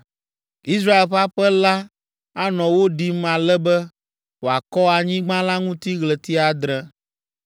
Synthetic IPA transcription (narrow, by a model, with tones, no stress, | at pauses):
i˦s̬ɾa˦e˨lɸa˦ɸɛ˦la˦ | a˦nɔ̃˨wo˦ɖi˨mã˨lɛ˦bɛ˦ | wo˨a˨kɔ˦a˨ɲĩ˦ɡ͡bã˦la˦ŋũ˦t̪i˦ɣlɛ˨t̪i˦a˨d̪ɾɛ˦